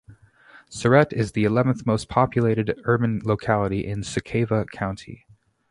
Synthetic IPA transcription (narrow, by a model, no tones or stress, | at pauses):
sə˞ɛɾɪzðiɨlɛṽn̩θmoʊspʰɑpʰjɨleɪɾɨdɜ˞bɨ̃nloʊkʰælˠəɾiʔɪ̃nsɨkʰeɪvəkʰãʊ̃ntʰḭ